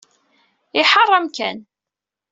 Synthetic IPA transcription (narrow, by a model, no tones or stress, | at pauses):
ɪħɑrˤːɑmkæn